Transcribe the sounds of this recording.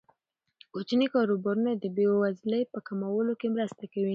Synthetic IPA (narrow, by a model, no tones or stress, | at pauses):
kot͡ʃənikɑɾobɑɾunad̪əbewazləjpəkamawəlokemɾəst̪akawi